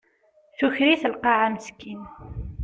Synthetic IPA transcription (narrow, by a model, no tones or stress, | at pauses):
θuçɾiθəlqɑʕaməskin